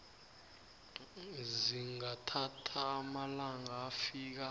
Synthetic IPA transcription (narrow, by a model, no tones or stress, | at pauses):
ziŋatʰatʰaːmalaŋaːfiːk̬a